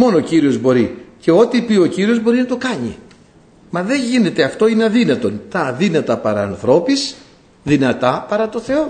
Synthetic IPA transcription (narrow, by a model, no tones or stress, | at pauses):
mo̞nociɾio̞zbo̞ɾice̞o̞t̪ipio̞ciɾio̞zbo̞ɾinɐt̪o̞kɐɲḭ | mɐðe̞ɲʝine̞t̪e̞ɐft̪o̞ineɐðinɐt̪o̞nt̪ɐːðinɐt̪ɐpɐɾɐːnθɾo̞pis | ðinɐt̪ɐpɐɾɐt̪o̞θe̞o̞